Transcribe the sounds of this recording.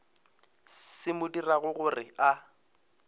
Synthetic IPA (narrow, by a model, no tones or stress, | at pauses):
ɪmʊdiraɣʊɣʊrɪa